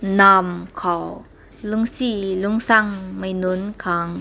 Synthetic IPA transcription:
namkʰaw | luŋsiluŋsaŋmajnunkʰaːŋ

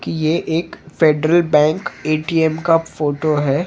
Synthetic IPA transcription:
kijeʔeːkfeːɖɾəlbɛ̃ːŋkeːʈiːɛmkafoːʈoɦɛː

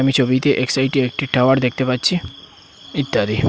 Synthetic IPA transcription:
əmit͡ʃʰobit̪eʔeksajʈiek̚ʈiʈʰaʋaɽd̪ek̚ʰt̪epatt͡ɕʰi | it̪ːaɾi

